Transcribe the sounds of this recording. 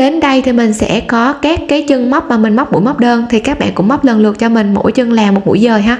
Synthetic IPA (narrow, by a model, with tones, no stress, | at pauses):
ɗe˨˦nɗə˧jt̪ʰi˨˩mï˨˩ŋ̟sɛ̰˧˥kɔ˨˦kaː˦˥kːaː˨˦jt͡ɕɨ˧ŋma˦˥wk͡p̚maː˨˩mï˨˩ŋ̟ma˦˥wk͡p̚mṵ˧˩˥jma˦˥wk͡p̚ɗəː˧nt̪ʰi˨˩kaː˦˥k̚ɓa̰ː˧˨nkʊ̰˧˥ŋ͡mm˦˥wk͡p̚lə˨˩nlɨ˨˩ət̚t͡ɕɔ˧mï˨˩ŋ̟mo̰˧˥jt͡ɕɨ˧ŋlaː˨˩mːo˨˩t̚mṵ˧˥jzəː˨˩ɦaː˧